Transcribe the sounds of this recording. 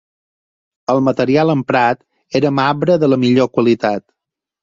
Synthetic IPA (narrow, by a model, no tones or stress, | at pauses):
əlˠmət̪əɾialˠəmpɾat̪ | eɾəmaβɾəðələmiʎokwəlit̪at̪